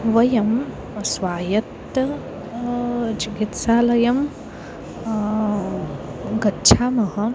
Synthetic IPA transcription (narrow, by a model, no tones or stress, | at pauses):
ʋɐjɐm | sʋaːjɐt̪ | ɐ | t͡ʃiɡit̪saːlɐjɐm | ɡɐtːʃʰaːmɐɦɐ̆